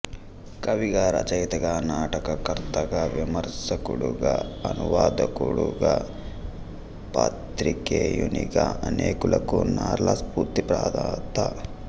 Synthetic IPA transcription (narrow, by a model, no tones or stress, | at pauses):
kɐʋiɡaːɾɐ̰t͡ʃɐjt̪ɐɡɐnaːʈɐkɐkɐɾt̪ɐɡɐʋimɐɾsɐkuɽuɡɐɐnuʋaːd̪ɐkuɽuɡɐ | paːt̪ɾikejuniɡɐɐneːkulɐkunaːɾlɐspuːɾt̪ipɾaːd̪aːt̪ɐ